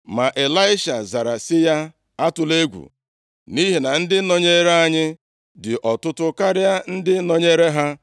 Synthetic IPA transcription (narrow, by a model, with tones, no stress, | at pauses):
ma˨ʔe˨la˦ɪ˦ʃa˨za˨ɾa˨sɪ˦ja˦ | a˦tʊ˨le˦ɡʷṵ˨ | ni˦ɦi˨na˨n̩˦dɪ˦nɔ˦ɲe˦ɾe˦a˦ɲɪ˦ | dɪ˨ʔɔ˨tʊ˦tʊ˦ka˦ɾɪ˦a˦n̩˦dɪ˦nɔ˦ɲe˦ɾe˦ɦa˦